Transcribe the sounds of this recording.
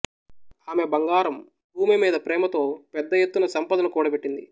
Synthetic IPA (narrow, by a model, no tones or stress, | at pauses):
aːme̞bɐŋɡaːɾɐm | bʱuːmimiːd̪ɐpɾɛːmɐt̪o̞ːpɛd̪ːɐjet̪ːunɐsɐmpɐd̪ɐnɐkuːɽɐbeʈːind̪ḭ